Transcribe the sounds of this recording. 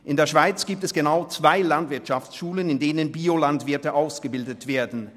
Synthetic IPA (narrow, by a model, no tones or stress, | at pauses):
ʔɪndeːɐʃv̥aɪt͡sɡ̥iːp̚tɛsɡ̥ənaʊt͡sv̥aɪlantv̥ɪɐtʃaft͡sʃuːlənɪndeːnənbiːolantv̥ɪɐtəʔaʊsɡ̥əbɪldətv̥eːɐdn̩